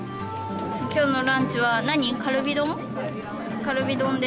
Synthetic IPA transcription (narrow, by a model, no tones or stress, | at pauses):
kʲʰonoɾãnt͡ɕiwanaɲikʰaɾɯbʲid̪oŋ | kaɾɯbʲid̪õnd̪e